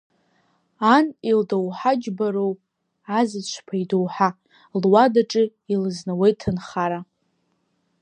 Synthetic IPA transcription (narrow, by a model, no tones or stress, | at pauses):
anildowħad͡ʒbaɾow | azɨt͡ʃʷʰpʰaidowħa | lwadaʈ͡ʂʼɨ | ilɨznawejtʰɨnχaɾa